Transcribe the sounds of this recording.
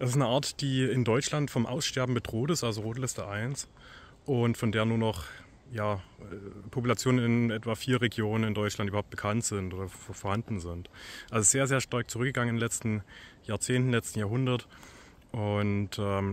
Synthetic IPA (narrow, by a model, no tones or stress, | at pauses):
d̥ɛsɪstnəʔaːɐtd̥iːɪndɔʏt͡ʃlantfɔmʔa̰ʊsʃtɛɐbm̩bədʁoːtɪstʔalzoʁoːtlɪstəʔaɪns | ʔʊntfɔndeːɐnuːɐnɔχ | jaːɛpʰopulat͡sjoːnnɪnʔɛtv̥afiːɐʁeɡjoːnənɪndɔʏt͡ʃlantːʔybɐhaʊt̚b̥əkʰantz̥ɪntʔoːdɐfoɐhandn̩zɪntʔalzoɪstz̥eːɐzeːɐʃtaɐk̚t͡suʁʏk̚ɡəɡaŋənɪndnlɛt͡stn̩jaːɐt͡seːntn̩lɛt͡stn̩jaːɐɦʊndɐt | ʔʊntɛː